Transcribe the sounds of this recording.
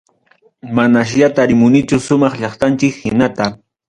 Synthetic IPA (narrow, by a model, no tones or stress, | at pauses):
manaʃ̬ʎat̪aɾɪmʊnɪt͡ʃʊsʊmɑχʎɑχt̪ant͡ʃɪkhɪnat̪a